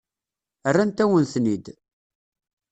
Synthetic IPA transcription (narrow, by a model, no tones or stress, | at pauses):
ərːænt̪æwənθnid̪